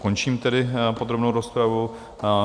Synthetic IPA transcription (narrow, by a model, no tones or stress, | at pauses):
ko̞nt͡ʃiːmt̪ɛdɪpo̞d̪ɾobnowɾo̞spɾavu